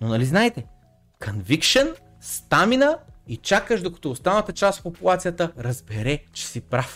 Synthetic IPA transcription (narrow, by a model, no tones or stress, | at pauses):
nonɐliznaɛt̪ɛ | kʰɐnvikʃɛn | st̪aminəit͡ʃakəʃd̪okɐ̥t̪oːst̪anət̪ət͡ʃast̪fpopulˠat̪sijət̪əɾɐzbɛɾɛt͡ʃɛ̥sipɾaf